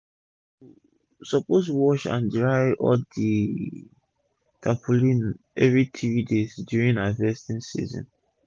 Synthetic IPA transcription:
sɔpostuwɔt͡ʃã̰ndɹaɪɔ̰di | tʰapʰulĩn | ɛvɹitʰividezdjuɹĩnavɛstĩnsḭzɔ̰̃n

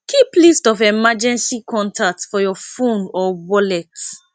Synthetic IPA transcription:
kʰiplistɔfɛmad͡ʒɛ̃nsikʰɔ̃ntʰak̚tfɔjɔfõndɔwɔlɛt

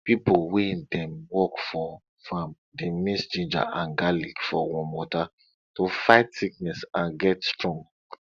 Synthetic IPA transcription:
pipowẽdɛ̃mwɔkfɔ | fãm | dimisd͡ʒĩnd͡ʒa̰ʔãnɡalikfɔwɔ̃nmɔta | tofaɪtsiknɛsãnɡɛtstɹɔ̃ŋɡ

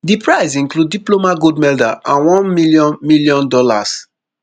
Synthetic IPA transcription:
dipɹaɪsĩŋklud̚ːiplomaɡodmɛldaãnwɔ̃nmilijɔ̃nmiljɔ̃ndɔla̰s

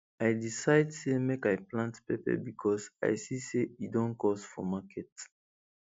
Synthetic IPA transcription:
ajdisaɪdsemekajplãntpepɛ̰bikʰɔsa̰jsiseidɔ̃nkɔsfɔ̰makʰɛt

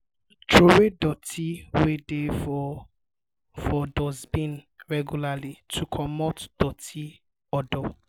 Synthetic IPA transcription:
tʰɹoɹedɔtʰiwede | fɔdɔzbĩnɹɛɡjulalitʰukʰɔmɔtd̥ɔtʰi | ɔdɔ

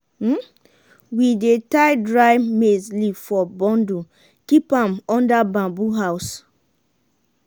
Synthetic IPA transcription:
m̩ | widetaɪdɹajmezlifɔbɔ̃ndu | kipãmɔ̃ndabãbuɦaʊs

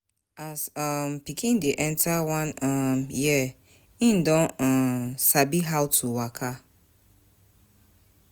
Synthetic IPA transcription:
asãmpikʰĩndeʔɛ̃ntʰawãnɔ̃mjɛ | ĩn̩dɔ̃nɔ̃sabiɦawtʰuwakʰa

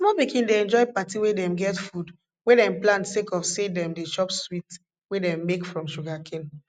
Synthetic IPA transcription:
mɔbikʰĩndeɛ̃nd͡ʒɔɪpatiwedɛ̃mɡɛtfud | wedɛ̃mplãntsekɔfsedɛ̃mdeʃɔpswit | wedɛ̃mːekfɹɔ̃mʃuɡakʰẽn

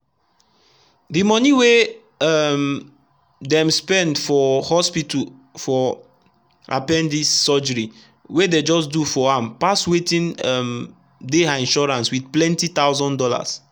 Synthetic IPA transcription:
dimɔniwe | am | dɛ̃mspɛ̃ndfɔhɔspitufɔ | a̰pɛ̃ndisːɔd͡ʒəɹi | weded͡ʒɔsdufɔãmpaswetĩnam | deãĩnʃɔɹãnswiθplɛ̃ntit̪awzɔ̃ndɔla̰s

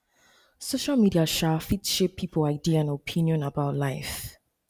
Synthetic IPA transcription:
soʃalmidiaʃafitʃepʰːipʰolaɪdiaãnopʰĩnjɔ̃nabaʊtlaɪf

